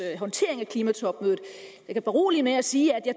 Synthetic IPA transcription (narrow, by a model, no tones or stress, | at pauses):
ɦɒ̽nt͡sʰe̝̰ɐ̰e̝ŋækʰlimæt͡sʰɒ̽b̥møːðð̩ˠjɑɪkʰæb̥æʁo̝ːlimeæsiːæd̥jɑ̈